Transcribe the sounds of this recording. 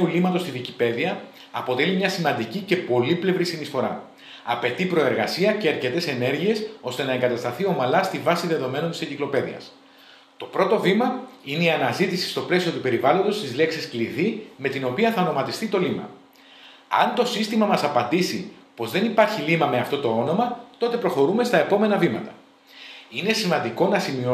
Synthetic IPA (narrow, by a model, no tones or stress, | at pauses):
ulimɐt̪o̞st̪iðicipe̞ðiɐː | po̞t̪e̞limɲɐsimɐnd̪icice̞po̞liple̞vɾisinisfo̞ɾɐ̰ | ɐpe̞t̪ipɾo̞e̞ɾɣɐsiɐce̞ɐɾce̞t̪e̞se̞ne̞ɾʝie̞so̞st̪e̞nɐe̞ŋɡɐt̪ɐst̪ɐθio̞mɐlɐst̪ivɐsiðe̞ðo̞me̞nont̪iseɲɟiklo̞pe̞ðḭɐ̰s | t̪o̞pɾo̞t̪o̞vimɐine̞iɐnɐzit̪isi̥st̪o̞ple̞sio̞t̪upe̞ɾivɐlo̞nd̪o̞st̪izle̞ksiskliðime̞t̪ino̞piɐθɐono̞mɐt̪ist̪it̪o̞limɐ̰ | ɐ̰nt̪o̞sist̪imɐmɐsɐpɐnd̪isipo̞zðe̞nipɐɾçilimɐme̞ɐft̪o̞t̪o̞o̞no̞mɐt̪o̞t̪e̞pɾo̞xo̞ɾume̞st̪ɐe̞po̞me̞nɐvimɐt̪ɐ̥ | ine̞simɐnd̪iko̞nɐsimio